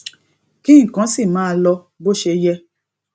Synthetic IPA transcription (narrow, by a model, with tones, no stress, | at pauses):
ki˦ĩ˦˨kã˨˦si˦˨mãː˨˦lɔ˧ | bo˦ʃe˧jɛ˧